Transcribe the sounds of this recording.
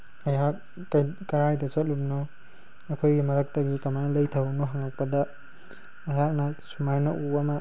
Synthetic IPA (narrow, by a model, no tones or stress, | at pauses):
ajɦak̚ː | kɐɾajdɐt͡ʃɐt̚lumnɔː | kʰojɡimɐɾak̚taɡikamajnlɐjtʰawnɔɦaŋak̚pɐda | ɐjɦak̚nɐsumajnaʔuamɐ